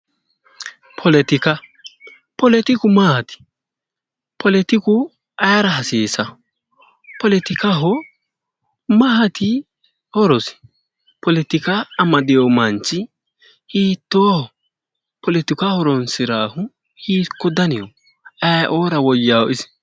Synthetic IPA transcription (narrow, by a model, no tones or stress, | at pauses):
pʰɔlɛt̪ɪkɐ | pɔlɛt̪ɪkʊmɐhɐt̪ɪ̥ | pʰɔlɛt̪ɪkʊ | ɐɾɐɦɐsiːsɐ | pɔlɛt̪ɪkɐɦɔ | mɐɦɐt̪ɪ | hɔɾɔsɪ̥ | pɔlɛt̪ɪkaːmɐd̪ɪjɔmɐnt͡ʃːɪ | hiːt̪ːoːhɔ | pɔlɛt̪ɪkahɔɾɔnsɪɾaːhʊ | hiːkːɔd̪ɐnɪjɔ | ɐjʔoːɾɐwɔjːaːwɔʔɪs